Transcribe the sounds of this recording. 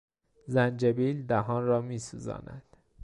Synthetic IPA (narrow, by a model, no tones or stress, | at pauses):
zænd͡ʒebiːld̪æɦɒːnrɒːmiːsṵːzɒ̰ːnæ̰d̪̥